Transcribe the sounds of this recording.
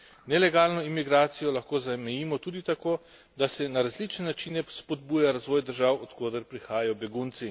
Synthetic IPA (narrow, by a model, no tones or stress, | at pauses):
nɛlɛɡaːlnɔimiɡɾaːt̪sijɔlaxkoːzamɛjiːmɔt̪uːd̪it̪akoː | d̪asɛnaɾazlit͡ʃnɛnat͡ʃiːnɛspɔd̪̚buːjaɾazʋoːjd̪əɾʒawɔt̪koːd̪əɾpɾixaːjajɔbɛɡunt̪si